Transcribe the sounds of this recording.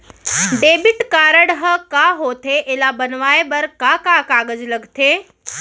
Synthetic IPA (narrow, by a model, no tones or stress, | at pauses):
ɖeːbɪʈkaːɾəɽɦəkaɦoːt̪ʰeʔeːlabɐnʋaːebɐɾkakakaːɡəd͡ʒlɐɡt̪ʰeː